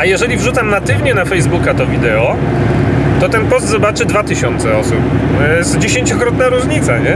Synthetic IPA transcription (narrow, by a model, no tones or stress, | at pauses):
ajɛʐɛlʲivʐut̪samnat̪ɘvɲɛnafɛjzbukat̪ɔvʲid̪ɛɔ | t̪ɔt̪ɛnpɔst̪zɔbat͡ʂɘd̪vat̪ɘɕɔnt̪sɛɔsup̪ɔjɛst̪d͡ʑeɕeɲt͡ɕɔkɾɔt̪naɾuʐɲit̪saɲɛ